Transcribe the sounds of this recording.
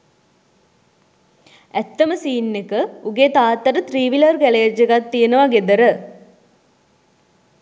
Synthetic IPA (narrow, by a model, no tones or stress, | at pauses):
æt̪ːəməsiːnːekəuɡet̪aːt̪ːɐɾət̪riːʋilərkæled͡ʒeɡat̪ːijenəʋaɡed̪əɾə